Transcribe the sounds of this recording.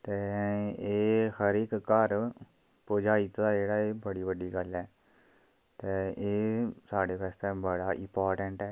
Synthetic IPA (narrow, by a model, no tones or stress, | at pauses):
t̪eːeːxəɾɪkkəɾ | pʊd͡ʒaːit̪d̪aːd͡ʒeːɽaːeːbəɽiːʋəɖiːɡəlɛː | t̪eːeːsaːɽeːpʰɛːst̪eːbəɽaːʔɪ̰mpaːɾʈəɳʈɛː